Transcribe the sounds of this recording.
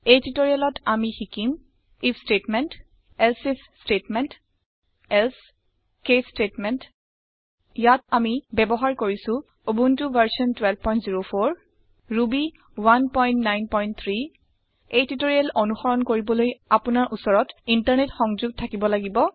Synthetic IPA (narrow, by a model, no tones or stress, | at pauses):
ejtitoɹijalɔtamixikim | ipʰstetmɛnt | ɛlsip | stetmɛnt | ɛls | kestetmɛnt | jatamibɛbɔɦaɹkoɹisʊ̃ | obuntuvaɹsiɔntwɛlpɔjntziɹopʰoɹ | ɹubi | wanpɔjntnajnpɔjnt̚t̪ʰɹi | ejtitoɹialʔonuxɔɹɔnkoɹibɔlojapʊnaɹʔusɔɹɔtintaɹnetxɔŋzuɡ̚tʰakibɔlaɡibɔ